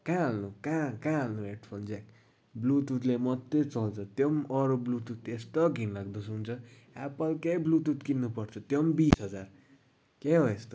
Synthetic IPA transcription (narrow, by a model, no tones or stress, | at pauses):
kãalnukãkãalnueʈpʰʌld͡zak | blut̪ut̪lemʌt̪ːet͡sʌlt͡sʰʌt̪jʌmʌɾublut̪ut̪est̪ʌɡʱinlaɡd̪ʌsunt͡sʰʌ | apʌlkeblut̪ut̪kinːupʌrt͡sʰʌt̪jʌmbisɦʌd͡zar | keɦoest̪o